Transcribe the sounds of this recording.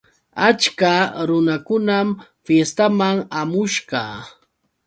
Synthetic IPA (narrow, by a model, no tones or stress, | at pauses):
at͡ʃkaɾʊnakʊnamfjest̪amaŋamʊʃɢɑ